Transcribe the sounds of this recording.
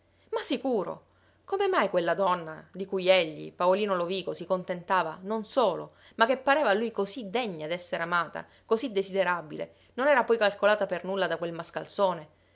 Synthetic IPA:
masːikuːɾo̰ | komemajkwelːad̪ɔnːad̪ikujeʎːḭpaoliːnoloviːkosikont̪ent̪aːvanonsoːlo̰ | mak̟ːepːaɾeːvalːujkozid̪eɲːad̪ɛsːeɾeamaːt̪a̰ | kozid̪esid̪eɾabilḛ | nonɛːɾapɔjkalkolaːt̪apernulːad̪akwelmaska̰lt̪soːne

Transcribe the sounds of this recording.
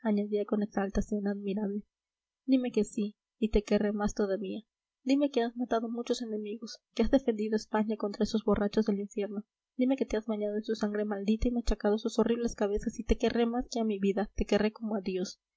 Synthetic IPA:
aɲaðiako̞ne̞ksalt̪asjo̞naðmiɾaβle̞ | d̪ime̞ke̞siː | t̪e̞keremast̪oðaβia | d̪ime̞keazmat̪aðo̞mut͡ʃo̞se̞ne̞miɣo̞skeazðe̞fe̞nd̪iðoespaɲako̞nt̪ɾaeso̞zbo̞rat͡ʃo̞zðe̞liɱfje̞ɾno̞ | d̪̥ime̞ke̞t̪eazβaɲaðoensusaŋɡɾe̞mald̪it̪aimat͡ʃakaðosuso̞riβle̞skaβe̞sasit̪e̞ke̞rʔemaskeamiβiðat̪e̞ke̞reko̞moaðjo̞s

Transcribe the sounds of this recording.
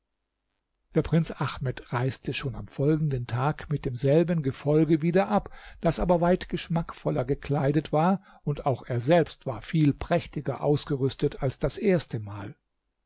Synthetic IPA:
d̥eːɐpʁ̥ɪnt͡sʔaxmɛtʁaɪstʰəʃoːna̰mfɔlɡŋ̩dəntʰaːkmɪt̚d̥eːmzɛlbənɡəfɔlɡəviːdɐʔapd̥asʔaːbɐvaɪtɡ̥əʃmakfɔlɐɡəkl̥aɪdətv̥aːɐ | ʊntaʊxʔeːɐzɛlpstv̥aːɐfiːlpʁ̥ɛçtɪɡɐ̰ʔa̰ʊsɡ̥əʁʏstətalsd̥asʔeːɐstəmaːl

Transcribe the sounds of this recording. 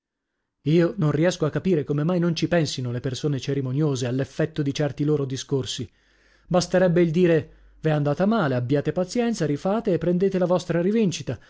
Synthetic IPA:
iːononriɛskoakːapiːɾekomemajnont͡ʃipɛnsinolepersoːnet͡ʃeɾimonjoːzealːefːɛt̪ːod̪it͡ʃɛrt̪iloːɾod̪iskorsi | bast̪eɾɛbːeild̪iːɾe | viand̪aːt̪amaːleabːjaːt̪epat̪sjɛnt̪saɾifaːt̪eːpːɾend̪eːt̪elavɔst̪ɾaɾivint͡ʃit̪a

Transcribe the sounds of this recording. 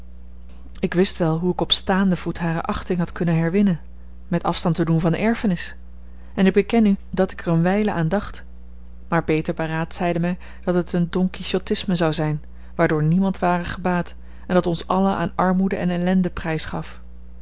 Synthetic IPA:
ɪkʋɪstʋɛlˠɦuɪkɔpstaːndəv̥utɦaːɾə̰ʔɑχtɪŋɦɑtkɵnənɦɛɹʋɪnən | mɛtɑ̰fstɑntədunvɑndəɛɹfənɪs | ɛnɪɡ̚bəkɛnydɑtɪkɛrənʋɛjləʔaːndɑχt | maːɹpejtəɹparaːtsɛjdəmɛj | d̥ɑtətəndɔŋkiʃotɪsməzɑwzɛjn | ʋaːɹdʊːɹnimɑntʋaːrəχəbaːt | ɛndɑtɔnsɑləʔa̰ːnɑɹmudəʔɛnɛlɛndəprɛjsχɑf

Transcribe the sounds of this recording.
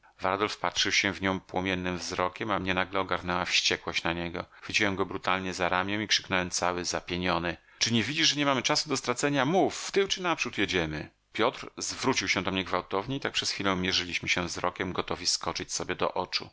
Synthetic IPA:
va̰ɾd̪ɔlfpatʂɘwɕɛvɲɔ̃w̃pwɔmʲjɛnːɘmvzɾɔkʲɛmamɲɛnaɡlɛɔɡaɾnɛwafɕt͡ɕɛkwɔɕt͡ɕnaɲɛɡɔ̰vʲid͡ʑiwɛmɡɔbɾut̪alɲɛzaɾamʲjɛ̃w̃ikʂɘ̥knɛwɛmt̪sawɘzapʲjeɲɔnɘ | t͡ʂɘɲɛvʲid͡ʑiʐʐɛɲɛmamɘt͡ʂasud̪ɔst̪ɾat̪sɛɲamufːt̪ɘwt͡ʂɘnapʂut̪jed͡ʑɛmɘ̰ | pʲjɔt̪ɾzvɾut͡ɕiwɕɛ̃d̪ɔmɲɛɡvawt̪ɔvɲɛit̪akpʂɛsxfʲilɛ̃w̃mʲjɛʐɘlʲiɕmɘɕɛvzɾɔkʲɛmɡɔt̪ɔvʲiskɔt͡ʂɘt͡ɕsɔbʲjɛd̪ɔ̰ʔɔt͡ʂṵ

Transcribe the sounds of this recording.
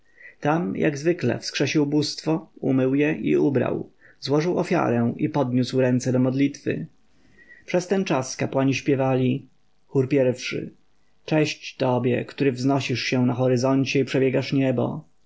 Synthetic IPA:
t̪amja̰ɡzvɘklɛ̰fskʂɛɕiwbust̪fɔṵmɘwjɛʔḭubɾa̰w | zwɔʐɘwɔfʲja̰ɾɛipɔd̪ɲuswɾɛnt̪sɛd̪ɔmɔd̪lʲit̪fɘ̰ | pʂɛst̪ɛnt͡ʂaskapwaɲiɕpʲjɛvalʲi | xuɾpʲjɛɾfʂɘ̰ | t͡ʂɛɕt͡ɕt̪ɔbʲjɛ̰kt̪uɾɘvznɔɕiʂɕɛnaxɔɾɘzɔɲt͡ɕɛipʂɛbʲjɛɡaʂɲɛbɔ̰

